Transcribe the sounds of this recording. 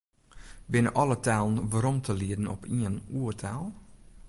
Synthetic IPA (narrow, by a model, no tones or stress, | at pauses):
bɪnəʔɑlˠətʰɛːlˠən̩ʋəɾɔmtʰəliədn̩ʔɔpiənuːətʰɛːlˠ